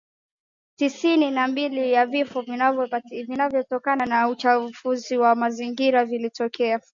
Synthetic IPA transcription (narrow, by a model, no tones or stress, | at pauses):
tisininambilijavifɔvvvinavjɔtɔkananaut͡ʃafuziwamaziŋɡiɾavilitɔkɛa